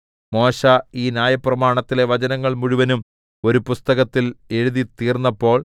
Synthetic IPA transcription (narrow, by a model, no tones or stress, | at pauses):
mo̞ːɕaiːnjaːjɐprɐmaːɳɐt̪ːile̞ʋɐt͡ɕɐnɐŋːɐɭmuɻuʋɐnum | o̞ɾupust̪ɐɣɐt̪ːile̞ɻuðit̪iːrnːɐpːo̞ːɭ